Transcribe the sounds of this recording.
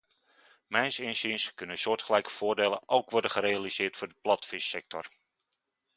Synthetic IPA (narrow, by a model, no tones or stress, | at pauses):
mɛjnsɪnsinskɵnəsʊːtχəlɛjkə̥fʊːɹdeːlə̰ʔowkʋɔɹdəχəɾejalizɪːtfʊːdəplɑtfɪsɛk̚tɔ̰r